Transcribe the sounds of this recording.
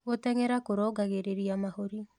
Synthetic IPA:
ɣot̪ɛŋɛɾakoɾɔɡaɣeɾeɾiamahoɾi

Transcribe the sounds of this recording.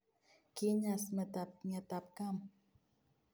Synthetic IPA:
kiɲasmət̪ap̚ɲat̪ap̚kam

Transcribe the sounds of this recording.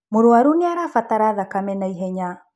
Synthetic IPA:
moɾwaɾuniaɾafataɾaðakamɛnaiɦɛɲa

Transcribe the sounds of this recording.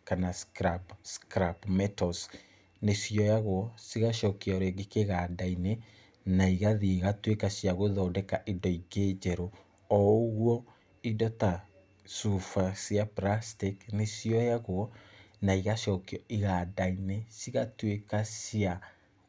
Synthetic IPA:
kanaskɾabskɾabmɛtɔs | nesjɔjaɣwɔsiɣaʃɔkiɔɾeɡekeɣadaine | naiɣaðieɣatwekasjaɣoðɔdɛkaʔidɔiɡed͡ʑɛɾo | ɔɣwɔ | idɔta | sufasiapɾastiknesiɔjaɣwɔnaiɣaʃɔːkiɔiɣadainesiɣatwekasia

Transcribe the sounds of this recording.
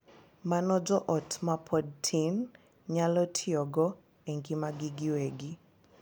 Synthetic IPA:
manɔd͡ʒɔʔɔtʰmapʰɔd̚tʰin | ɲalɔtʰɪɔɡɔ | eŋɡimaɡiɡɪweɡɪ

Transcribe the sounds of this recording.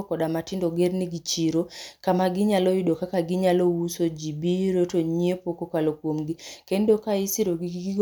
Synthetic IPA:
kɔdamatɪndoɡeɾniɡit͡ʃiɾokamaɡɪɲalojidokakaɡiɲalowusod͡ʒibiɾotoɲiepokokalokwomɡikendokaisiɾoɡiɡɡ

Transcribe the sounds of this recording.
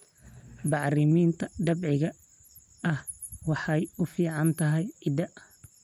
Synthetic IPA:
bɑʕrɪmiːnt̪ʰɐɖ̪ɐbʕɪɣɐ | ɐh | wɑħɑjʊfiːʕɑnt̪ʰɐɦɛjɪd̪ɐʔ

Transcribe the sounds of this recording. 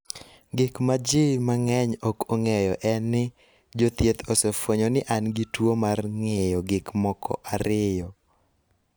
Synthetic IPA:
ɡɪkmad͡ʒɪmaŋɛɲokoŋɛjɔʔɛnɪ | d͡ʒot̪jet̪osefwoɲɔnɪʔanɡitwomarŋɛjɔɡɪkmɔkʰɔ̰ʔaɾɪjɔ

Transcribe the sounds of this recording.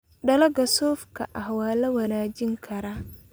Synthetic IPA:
ɖɐlɐɡɐsɔːfkʰɐ̰ʔɐhwaːlɐwɐnaːd͡ʒɪŋkʰɐɾɐ

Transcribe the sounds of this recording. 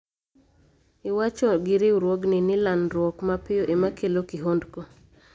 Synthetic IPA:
ɪwat͡ʃɔɡɪɾɪɾwoɡnɪnɪlanɾwɔkmapɪjoʔemakʰelokɪɦondko

